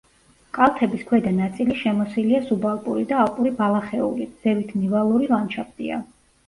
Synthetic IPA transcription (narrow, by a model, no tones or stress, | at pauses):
kʼalˠt̪ʰɛbiskʰwɛd̪anat̪sʼiliʃɛmɔsiliasubalˠpʼuɾid̪aːlˠpʼuɾibalˠaχɛṵliz̥ɛvit̪ʰnivalˠuɾilˠant͡ʃʰapt̪ʼḭa̰